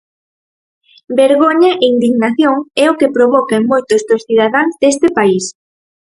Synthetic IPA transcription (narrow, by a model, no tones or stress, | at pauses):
beɾɣoɲɐʔeind̪iɣnaθjoŋɛokepɾoβɔkaeŋmojt̪ozd̪osθið̞aðaŋzd̪est̪epais